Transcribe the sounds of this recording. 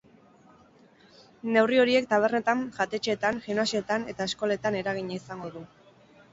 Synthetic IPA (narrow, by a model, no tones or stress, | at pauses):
ne̞wrio̞ɾie̞k̚t̪aβ̞e̞rne̞t̪aŋʝat̪e̞t͡ʃet̪aŋʝiunasio̞t̪ane̞t̪ae̞sko̞le̞t̪ane̞ɾaɣ̞iɲaisaŋɡo̞ðu